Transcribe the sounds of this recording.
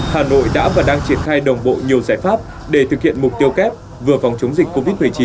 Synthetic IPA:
haː˨˩no̰˧˨jɗa̰ː˧˥vaː˨˩ɗaː˧ŋt͡ɕi˧˩ənxaː˧jɗə˨˩wŋ͡mɓo̰˧˨ɲi˨˩əwzaː˧˩jfaː˦˥p̚ | ɗe˧˩t̪ʰɨ˨˩k̚hḭ˧˨ənmʊ˨˩k͡p̚t̪i˧əwkɛ˦˥p̚ | vɨ˨˩əfa˨˩wŋ͡mt͡ɕə˨˦wŋ͡mzï˨˩k̟kːo˧vi˦˥t̚mɨ˨˩əjt͡ɕi˨˦n

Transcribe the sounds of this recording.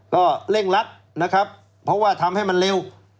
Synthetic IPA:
kɔː˥˩le˥˩ŋla˦˥p̚ | na˦˥kʰa˦˥p̚ʰː | ɔ˦˥waː˥˩t̪ʰa˧mha˥˩jma˧nle˧w

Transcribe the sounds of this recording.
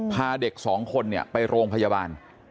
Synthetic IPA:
pʰaː˧de˨˩k̚sɔː˩˦ŋkʰo˧nːi˥˩ɐpa˧jɾoː˧ŋpʰa˧jaː˧baː˧n

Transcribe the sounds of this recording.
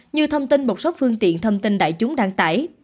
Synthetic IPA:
ɲɨ˧t̪ʰə˧wmt̪i˧nmo˨˩sə˦˥wk͡p̚fɨ˧əŋt̪ḭ˧˨ənt̪ʰə˧wŋ͡mt̪i˧nɗa̰ː˧˨jt͡ɕʊ˨˦ŋ͡mɗaː˧ŋt̪aː˧˩j

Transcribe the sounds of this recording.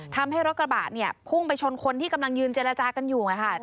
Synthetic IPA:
t̪ʰa˧mɦa˥˩jɾo˦˥t̪̚k̚ɾa˧ba̰ː˨˩t̪̚ni˥˩ɐpʰu˥˩ŋpa˧jt͡ɕʰo˧nkʰo˧nt̪ʰiː˥˩ka˧mla˧ŋjɯː˧nt͡ɕeː˧ɾa˧t͡ɕaː˧ka˧njuː˨˩ŋa˧˩kʰa˥˩

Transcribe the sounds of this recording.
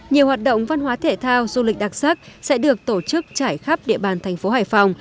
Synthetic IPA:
ɲi˨˩əwhaː˨˩t̚ɗo̰˧˨wŋ͡mva˧nɦwaː˨˦t̪ʰe˧˩t̪ʰaː˧wzu˧lï˨˩k̟̚ɗa˨˩t̚z̥aː˦˥k̚sɛ̰˧˥ɗɨ˨˩ək̚t̪o˧˩t͡ɕɨ˦˥k̚t͡ɕaː˧˩jxa˦˥p̚ɗḭ˧˨əɓaː˨˩nt̪ʰɛ˨˩jŋ̟fo˨˦haː˧˩jfa˨˩wŋ͡m

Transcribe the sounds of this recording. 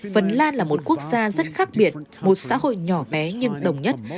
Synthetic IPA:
fə˨˩nlaː˧nlaː˨˩mo˨˩t̚ku˦˥ək̚zaː˧zə˦˥t̚xaː˦˥k̚ɓi˨˩ət̚mo˨˩t̚sa̰ː˧˥ho̰˧˨jɲɔ˨˩ɓɛ˨˦ɲɨ˧ŋɗə˨˩wŋ͡mɲə˦˥t̚

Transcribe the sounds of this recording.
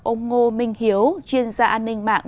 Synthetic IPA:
ʔo˧ŋ͡mŋo˧mï˨˩ŋ̟hi˨˦əwt͡ɕwi˧ənzaː˧ʔaː˧nːï˧ŋ̟ma̰ː˧˨ŋ

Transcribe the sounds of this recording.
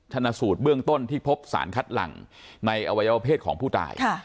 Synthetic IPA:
t̪ʰa˧naː˧suː˨˩t̪̚bɯ˥˩əŋt̪o˥˩nt̪ʰiː˥˩pʰo˦˥p̚sa̰ː˩˦nkʰa˦˥t̪̚la̰˨˩ŋna˧jʔa˧wa˧ja˧a˧pʰeː˥˩t̪̚kʰɔː˩˦ŋpʰuː˥˩ta̰ː˧˩jʰ

